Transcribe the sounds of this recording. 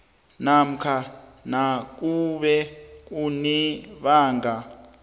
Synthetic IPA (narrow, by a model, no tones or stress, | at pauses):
nam̩kʰanak̬uɓɛk̬uniɓaːŋɡa